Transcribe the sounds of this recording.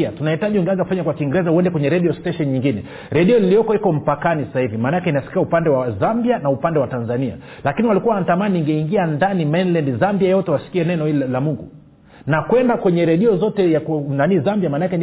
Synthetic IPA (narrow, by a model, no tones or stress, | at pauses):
atunahitaʄiuŋɡɛanzakufaɲakwakiŋɡɛɾɛzahuɛndɛkwɛɲɛɾɛɗiɔstɛʃɔnɲiŋɡinɛ | ɾɛɗiɔliliɔkɔikɔm̩pakanissahivimanaakɛinasi̥kiaupandɛwazambianaupandɛwatanzania̰lakiniwalikuwaantamaniŋɡɛiŋɡiandanimɛnlɛndzambiajɔtɛwasi̥kiɛnɛnɔhillamuŋɡṵ | nakwɛndakwɛɲɛɾɛɗiɔzɔtɛjaknanizambiamaːnaakɛn